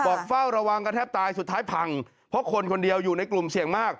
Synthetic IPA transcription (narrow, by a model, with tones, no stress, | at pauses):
bɔː˨˩k̚fa˥˩wɾa˧wa˧ŋka˧t̪ʰɛː˥˩p̚t̪aː˧jsu˨˩t̪ʰːaː˦˥jpʰa˧ŋ | pʰɔ˦˥kʰo˧nkʰo˧ndi˧əwjuː˨˩na˧jklu˨˩msi˨˩˦əŋmaː˥˩k̚